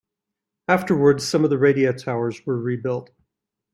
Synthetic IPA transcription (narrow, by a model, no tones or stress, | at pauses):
æftə˞wə˞dz̥sʌ̃mʌvðɨɹeɪɾiɨtʰaʊə˞zwə˞ɹibɪlˠt̚